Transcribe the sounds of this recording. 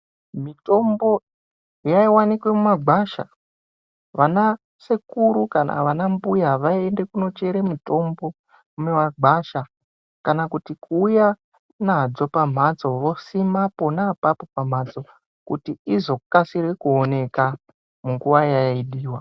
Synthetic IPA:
mito̞mbo̞ | jaiwanikwe̞mumaɡʱaʃa̰ | ʋana | sekuɾukana̰ʋanambujaʋaiende̞kuno̞t͡ʃe̞ɾemuto̞mbo̞ | memaɡaʃa | kanakutikuːja | nad͡zo̞pam̤at͡so̞ʋo̞simapo̞naːpapo̞pam̤at͡so̞ | kutiizo̞kasirwekuone̞ka | muŋɡuʋajaiɗiːwa

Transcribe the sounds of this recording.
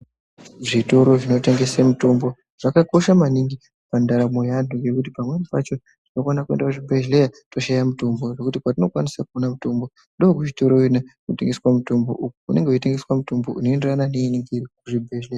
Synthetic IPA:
ʐito̞ɾo̞ʐinoteŋɡe̞semuto̞mbo̞ | ʐ̥akako̞ʃamaniŋɡi | pandaɾamojanduŋɡe̞kutipamwenipat͡ʃo̞ | tino̞kwanakue̞ndakuʐibʱeʒle̞jato̞ʃajamuto̞mboʐekutikwatino̞kwanisakuonamuto̞mbo̞ | ndookuʐitoɾoinakote̞ŋɡe̞swamuto̞mbo̞̰ʔukukune̞ŋɡeuite̞ŋɡe̞swamuto̞mbo̞̰uno̞enderanane̞iniŋɡiɾikuʐibʱeleja

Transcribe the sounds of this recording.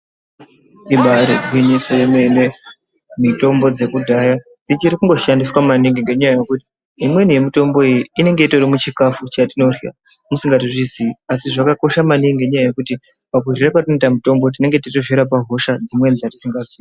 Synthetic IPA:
iɓaɾobʱwiɲisojemene̞ | mito̞mbo̞d͡ze̞kudʱaja | tit͡ʃiɾikuŋɡo̞ʃandiswamaniŋɡeŋɡe̞ɲajajekuti̥ | imwe̞nije̞mito̞mbo̞ijiine̞ŋɡe̞ito̞romut͡ʃikafut͡ʃatino̞ria̰ | musiŋɡatiʐiziasiʐakako̞ʃamaniŋɡe̞ɲajaje̞kuti | pakurirakwatunetamuto̞mbot̬ine̞ŋɡe̞titoʒeɾap̬aɦo̞ʃad͡zimwe̞nid͡zatisiŋɡaziːa

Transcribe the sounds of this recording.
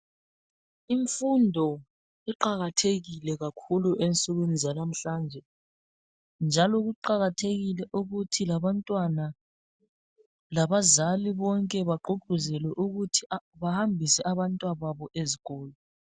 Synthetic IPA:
iɱfundʱɔ | iǃaɣatʰeɣilɛɣakʰuluʔensʼuɣenizalam̩ɬaːnd͡ʒʱɛ | nd͡ʒʱalɔɣuǃaɣatʰeɣilɛʔuɣutʰilaβantʼwana | laβazaliβɔŋkʼɛβaɡ͡ǃuɡ͡ǃ̥ʱuzɛlɛʔuɣutʰiβahambʱisɛʔaβantʼwaβaβɔʔeziɣɔːlɔ

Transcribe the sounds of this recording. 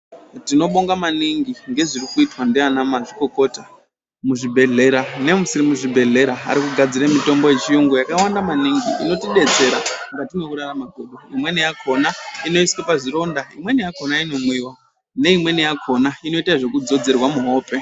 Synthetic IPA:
tino̞ɓo̞ŋɡamaniŋɡiŋɡe̞ʐirikuitwandianamaʐiko̞ko̞ta | muʐibʱe̞ɮe̞ɾane̞musiɾimuʐibʱe̞ɮe̞ɾaa̰ɾikuɡʱad͡ziɾemito̞mbo̞je̞t͡ʃijoŋɡojakawandamaniŋɡiḭno̞tiɗe̞d͡ze̞ɾaŋɡatinekuɾaramaɡʱoɗoimwe̞nijakʰo̞naino̞iskepaʐiɾo̞ndaimwe̞nijako̞naino̞mwiwa | ne̞imwe̞nijakʰo̞naino̞itaʐe̞kud͡zo̞d͡ze̞rwamuɦo̞ːpe̞

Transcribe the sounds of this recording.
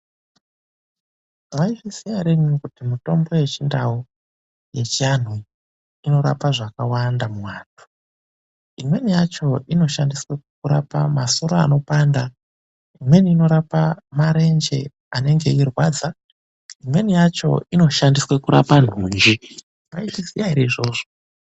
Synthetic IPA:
waifisijaɾeɲikutimito̞mbo̞je̞t͡ʃindau | je̞t͡ʃian̤wi | ino̞ɾa̰paʐakawandamuwaːtʰu̥ | imwe̞nijat͡ʃo̞ʔino̞ʃandiswekuɾa̰pa̰masoɾaano̞panda | imwe̞niːno̞ɾapamaɾe̞nd͡ʒe̞̰ | ane̞ŋɡe̞irwaːd͡za | imwe̞nijat͡ʃo̞̰ino̞ʃandiswekuɾa̰pan̤uːnd͡ʒi | maiisijaiɾeiʐo̞ːʐo

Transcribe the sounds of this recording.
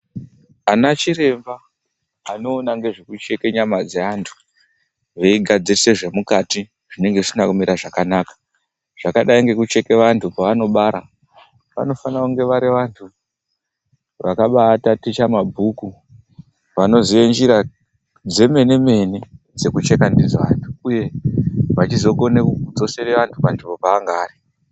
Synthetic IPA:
anat͡ʃiɾe̞mbaː | no̞ːnaŋɡe̞ʐekut͡ʃe̞ke̞ɲamad͡zeantʰu̥ | ʋe̞iɡʱad͡zise̞ʐe̞mukati | ʐ̥ine̞ŋɡeʐisinakumiɾaʐakanakḁ | ʐ̥akaɗaiŋɡe̞kut͡ʃe̞keʋantʰupaʋano̞ɓaɾa | ʋa̰no̞fanakuŋɡe̞ʋaɾiʋantʰu | ʋa̰kaɓatatit͡ʃamabʱuku | ʋano̞ziʋend͡ʒiɾa | d͡ze̞me̞ne̞me̞ne̞ | d͡ze̞kut͡ʃe̞kandid͡zaʋa̰ntʰu̥uje̞ʋat͡ʃizo̞ko̞nekuud͡zo̞sereʋantʰupandimopaːŋɡaːri

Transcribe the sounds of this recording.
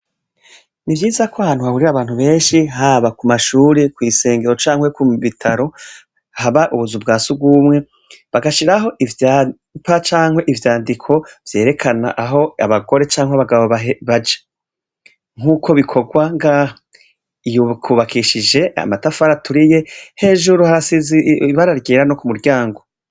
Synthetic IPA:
nivjiːzakoahaːn̥uhahuɾiaβaːnhuβe̞ːnʃiɦaːβakumaʃuːɾekwiːse̞ːŋɡe̞ɾo̞t͡ʃaːŋhwekuβitʰaɾo̞ | haβaʔuβuzub̚ɡaːsubɡwuːmŋe̞ | βaɡaʃiɾaɦo̞ʔiva | pat͡ʃaːŋwe̞ʔivjaːndikʰo̞v̥je̞ːɾe̞kʰana̰ʔaɦo̞aβaɡo̞ɾe̞t͡ʃaːŋweaβaɡaβoβaɦeβad͡ʒe̥ | ŋ̥uːkʰo̞βikʰo̞ɡwaŋɡaːha | ijukuβakiʃid͡ʒe̞a̰matafaɾatuɾije̞he̞ːʒuɾuhaɾasiziβaɾaɾɡeːɾano̞kumuɾɟaːŋɡo̞

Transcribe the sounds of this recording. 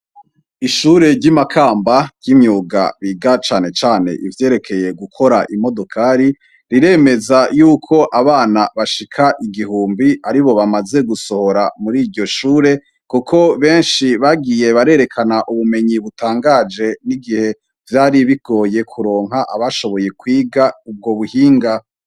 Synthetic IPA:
iʃuːɾe̞ɾɟimakʰaːmbaɟɟ̥imɲuːɡa̰βiɡat͡ʃaːne̞t͡ʃaːne̞̰ʔivje̞ːɾe̞kʰe̞je̞ɡukʰo̞ɾaʔimo̞do̞kʰaːɾi | ɾiɾe̞me̞zajuːkʰo̞ʔaβaːnaβaʃikʰaʔiɡiɦuːmbiaɾiβo̞βamaze̞ɡuso̞ho̞ɾamuɾiɾɟo̞ʃuːɾe̞ | kukʰo̞βe̞ːnʃiβaɡije̞βaɾe̞ːɾe̞kʰanaʔuβume̞ɲiβutaːŋɡaːd͡ʒe̞niɡihe̞ | vjaːɾiβiɡ̥o̞ːje̞kʰuɾo̞ːŋ̥ɦaʔaβaʃo̞βo̞je̞kwiːɡaub̚ɡo̞βuhiːŋɡa

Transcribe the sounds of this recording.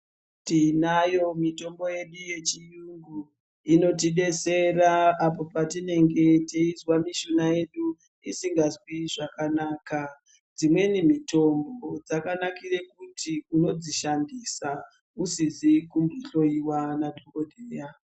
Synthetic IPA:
tinajo̞mito̞mbo̞je̞ɗuje̞t͡ʃijuŋɡu | ino̞tiɗe̞se̞raːpo̞patine̞ŋɡe̞teizwamiʃonaje̞ɗu | isiŋɡazwiʐakanaːka | d͡zimwe̞nimito̞mbod͡zakanakire̞kutiuno̞d͡ziʃandisa | usizikumbiɬo̞iwanadʱoɡo̞dʱeːja

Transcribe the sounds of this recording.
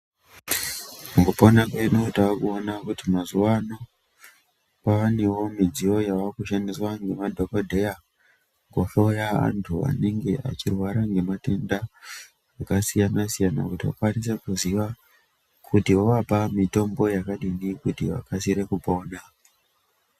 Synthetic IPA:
ukuponakenotaakuonakutimazuano | paʋanewo̞mid͡zio̞jaʋakuʃandiswaŋɡe̞madʱo̞kodʱe̞ja | ŋɡofojaa̰ntʰua̰neŋɡe̞ʔa̰t͡ʃirwaɾaŋɡe̞mate̞nda | akasijanasijana̰kutiwa̰kwanis̬e̞kuziʋa | kʰutiwoʋapamito̞mbo̞jakaɗinikutiʋa̰kasiɾe̞kupo̞ːna

